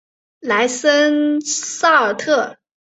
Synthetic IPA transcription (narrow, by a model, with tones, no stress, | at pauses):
la˧˥ɪsə˥nsɑ˥˩ə˨˩t̪ʰɤ˥˩